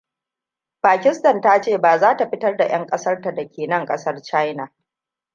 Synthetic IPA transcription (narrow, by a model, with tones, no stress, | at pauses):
ɸaː˨kʲɪ˦stɐ˨nta˦t͡ʃeː˦˨baː˨zaː˦ta˨ɸɪ˦tɐ˦rda˨j̰ɐ˦ŋkʼɐ˦sɐ˦rta˨dɐ˨kʲeː˨nɐ˦ŋkʼɐ˦sɐ˦rt͡ʃa˦jna˨